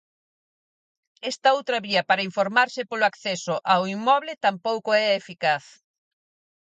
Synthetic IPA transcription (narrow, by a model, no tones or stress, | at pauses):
ɛst̪ɐowt̪ɾɐβiɐpaɾɐiɱfoɾmaɾsɪpoloakθɛsʊʔawimɔβlɪt̪ampowkʊɛefikaθ